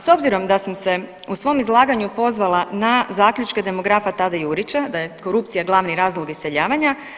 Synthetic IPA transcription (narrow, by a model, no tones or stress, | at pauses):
so̞bziɾo̞md̪asamse̞ | usʋo̞mizlˠaːɡaɲupo̞zʋalˠanazaːklʎut͡ʃke̞d̪e̞mo̞ɡɾafat̪ad̪ajuɾit͡ɕad̪aje̞ko̞ɾup̚t̪sijaɡlˠaʋniɾaːzlˠo̞ɡiseʎaːʋaɲa